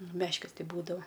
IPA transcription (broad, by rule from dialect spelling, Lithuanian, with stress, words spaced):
nʊ ˈmʲæːʃʲkʲɪs ˈtɐɪ ˈbuːdɐoː